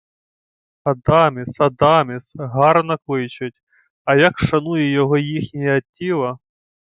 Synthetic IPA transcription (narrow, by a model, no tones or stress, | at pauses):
ɐd̪ɑmʲɪsɐd̪ɑmʲɪsɦɑrnɐklˠɪjt͡ʃɪtʲ | ɐjakʃɐnujɛjɔɦɔjixnʲijɐtʲːilˠɐ